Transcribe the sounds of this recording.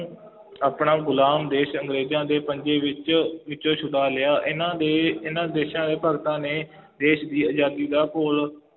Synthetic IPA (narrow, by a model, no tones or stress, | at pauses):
aːpɳaːɡʊlaːmd̪eːʃəŋɡɾeːd͡ʒãːd̪eːpəɲd͡ʒeːʋɪt͡ʃʋɪt͡ʃõːt͡ʃʰʊɽaːlɪjaːʔɪnãːd̪eːɪnãːd̪eːʃãːd̪eːpəɡt̪ãːneː | d̪eːʃd̪iːəd͡ʒaːd̪iːd̪aːkoːl